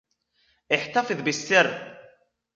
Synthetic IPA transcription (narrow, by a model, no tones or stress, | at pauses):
ɪħt̪afɪðbɪsːɪr